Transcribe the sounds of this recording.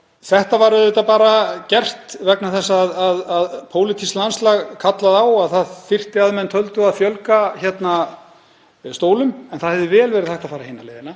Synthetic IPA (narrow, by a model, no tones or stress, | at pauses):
θɛht̪avaɾʏðʏt̪apaːɾacɛr̥t̪vɛknaθɛsːaðaðaðpʰoːwlɪt̪ʰist̪lanslaɣkʰat̪laðawaðθaðθɪr̥t̪ɪaðmɛnt̪ʰœlt̪ʏaðfjœlkaçɛt̪na | st̪oːwlʏmɛnθaðhɛvðɪvɛːlvɛːɾɪðθaht̪aðfaːɾahenːalḛːðɪna